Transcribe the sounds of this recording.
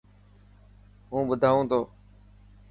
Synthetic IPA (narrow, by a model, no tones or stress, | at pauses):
ɦũːɓʊd̪ʱaːũːt̪ʰoː